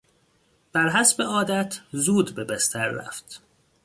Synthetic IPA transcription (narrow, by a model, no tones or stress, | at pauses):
b̥æɾɦæsbeɒːd̪æt̪ʰzuːd̪bebest̪ʰæɾːæ̰ft̪